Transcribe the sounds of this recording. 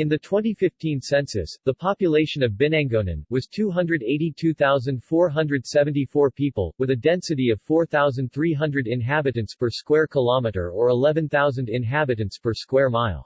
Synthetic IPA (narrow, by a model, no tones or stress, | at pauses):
ɨ̃nðɨtʰw̥ɛ̃ntifɪftʰĩnsɛ̃nsɨ̰sðəpʰɑpjɨleɪʃɨ̃nʌvbɛnæ̃ŋɡonɨ̰̃nwʌz̥tʰuɦʌ̃ndɹɨɾeɪɾitʰʉθaʊzɨ̃nd̥fɔɹɦʌ̃ndɹɨd̥sɛṽntifɔɹpʰipə̰l̩ˠwɨðɨdɛ̃nsɨɾiʌv̥fɔɹθaʊzɨ̃n̩dθɹiɦʌ̃ndɹɨɾɪ̃nɦæbɨɾɨ̃ntspʰə˞skwɛɹkʰəlɑmɨɾə̰˞ə˞əlɛvɨ̃nθaʊzɨ̃ndɪ̃nɦæbɨɾɨ̃ntspʰə˞skwɛɹmaɪlˠ